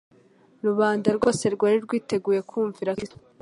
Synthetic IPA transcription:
ɾuβaːndaɾɡo̞ːse̞ɾɡwaːɾiɾɡwiːte̞ɡuːje̞kʰuːɱviɾai

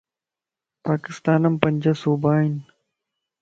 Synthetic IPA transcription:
paːkɪst̪aːnɐmpɐɲʲd͡ʑɐsuːbaːin

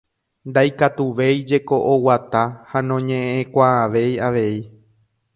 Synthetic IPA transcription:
nd̪ajkat̪uʋe̞jd͡ʒe̞ko̞ʔowat̪ahanõ̞ɲẽẽkʷaːʋe̞jaʋe̞i

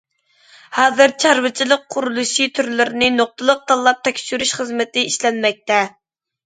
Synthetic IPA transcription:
hɑːzɨɾt͡ʃʰɑɾvɨt͡ʃʰilˠəqʰːʊɾulˠuʃit̪ʰyɾlɪɾnɪnoq̚t̪ʰɨlˠəq̚t̪ɑlˠːɑp̚t̪ʰɛkʲʃyɾyʃχəzmɪt̪ɪiʃlɛnmɛk̚ʲt̪ɛ

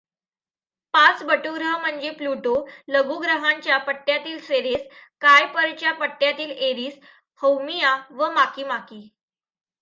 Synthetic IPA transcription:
pat͡sbəʈuɡɾəɦm̤əɳd͡ʑepluʈoləɡuɡɾəɦãɲt͡ɕjapəʈːjat̪iːlsʋeɾeskajpəɾt͡ɕjapəʈːjat̪iːleɾiːs | həwmijaʋəmakiːmakiː

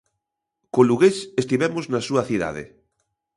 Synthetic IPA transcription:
koluɣesest̪iβɛmoznasuɐθiða̰ð̞ḛ

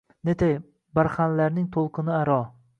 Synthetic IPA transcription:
net̪ʰej | baɾχanlaɾnɪŋt̪ʰolˠqʰɨnɪaɾɒ

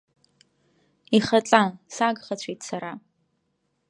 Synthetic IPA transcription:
iχɐt͡ɬʼasaːɡχɐt͡ɕʷʰeːt͡sʰɐɾaː

